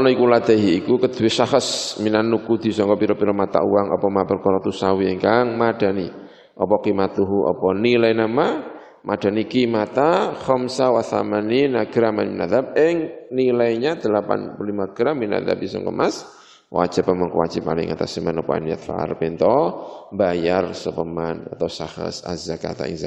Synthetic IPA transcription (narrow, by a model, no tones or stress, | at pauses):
ɔnɔikulad̪̥aɦiːkukəd̪̥ṳwesahəsminanːukud̪̥i̤sɔŋkɔpiɾɔpiɾɔmat̪a̰ʔuwaŋɔ̰pɔmapərkɔɾɔt̪usawieŋkaŋmad̥a̤ni | ʔɔpɔkimat̪uɦuʔɔ̰pɔnilainama | mad̥a̤nikimat̪ahɔmsawaθa̰maninaɡɾamanminaðap̚ɪŋnilaiɲad̪̥əlapa̰npulimaɡ̥ɾambina̰ða̰pisɔ̰ŋkə̰mʔas | wʔa̰d͡ʒapamɔŋkəwad͡ʒɪp̚malɪ̰ŋʔat̪asəmanɔpɔ̰a̰niat̪̚fa̰a̰rpint̪ɔmbajarsəpəmana̰t̪awsahə̰sa̰zaka̰t̪a̰ʔḭŋza